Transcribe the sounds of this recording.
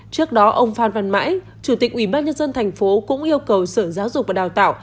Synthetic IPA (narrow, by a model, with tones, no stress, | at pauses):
t͡ɕɨ˦˥ək̚ɗɔ˨˦ʔə˧wŋ͡mfaː˧nva˧nma̰ː˧˥j | t͡ɕu˧˩t̪i˨˩k̚ʔwi˧˩ɓaː˧nɲə˧nzə˧nt̪ʰɛ˨˩jŋ̟fo˨˦kʊ̰˧˥ŋ͡mʔi˧əwkə˨˩wsəː˧˩zaː˨˦wzʊ˨˩k͡p̚vaː˨˩ɗaː˨˩wt̪a̰ː˧˨w